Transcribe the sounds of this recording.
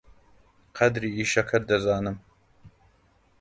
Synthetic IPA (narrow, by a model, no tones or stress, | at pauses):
qʰɐd̪ɾiːiːʃɐkʰɐɾd̪ɐzaːnɨm